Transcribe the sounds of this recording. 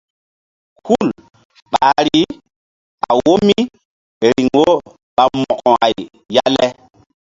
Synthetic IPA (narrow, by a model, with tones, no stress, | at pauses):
ku˦˨l | ɓa˨ɾi˦ | a˨wo˦mi˦ | ɾi˨ŋo˦ | ɓa˨mɔ˨kɔ̃˨a̰˨j | ja˦le˦